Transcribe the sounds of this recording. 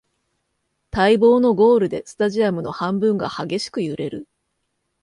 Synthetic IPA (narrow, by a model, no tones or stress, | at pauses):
t̪aibo̞ːno̞ɡo̞ːɾɯ̟d̪e̞sɨ̥t̪aʑiamɯ̟no̞̰hãmbɯ̟̃ŋɡa̰haɡe̞ɕi̥kɯ̟jɯ̟ɾe̞ɾɯ̟